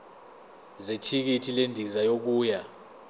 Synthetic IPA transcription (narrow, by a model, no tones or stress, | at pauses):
zetʰik̬itʰilendʱizajok̬uːja